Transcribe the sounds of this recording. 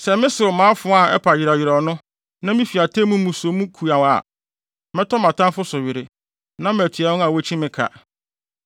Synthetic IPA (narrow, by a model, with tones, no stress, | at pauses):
sɛ˨mɪ̃˦sɪ˨ɾʊ˨mãː˨˦fʊ˦a˦˨ɛ̰˦pʰa˨jɪ˨ɾa˨ɥɪ˨ɾɔ˨nʊ̃˦ | nã˦mĩ˦fi˨a˨tʰe˦mũ˦mũ˨so˨˦mũ˦kʰu˨a˨wa̰˨ | mɪ̃˦tʰɔ˦mã˨tʰã˦nfʊ˦sʊ˨ɥɪ˨ɾɪ˨ | nã˦m˨æ˨tʰi˨a˨nʊ̃˦a˨we˦t͡ɕʰĩ˦mɪ̃˦kʰa̰˨